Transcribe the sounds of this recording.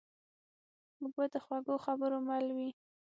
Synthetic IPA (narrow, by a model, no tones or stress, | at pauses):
muɡ̚bad̪əxwaɡoxabəɾomalwi